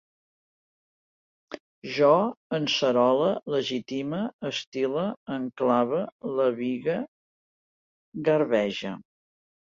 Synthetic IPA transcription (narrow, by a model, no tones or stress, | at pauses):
ʒɔənsəɾɔlələʒit̪iməːst̪iləəŋklaβələβiɣə | ɣəɾβɛʒə̰